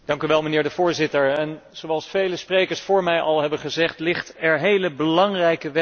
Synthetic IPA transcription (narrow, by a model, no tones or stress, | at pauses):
d̥ɑŋkyʋɛlˠmənɪːɹdəvʊːɹzɪtəɹɛnz̥owɑlˠsfejləsprejkəɹsfʊːɹmɛjʔɑlˠɦɛbəχəzɛχtlɪχtɛɹɦejləbəlɑŋrɛjkəʋɛ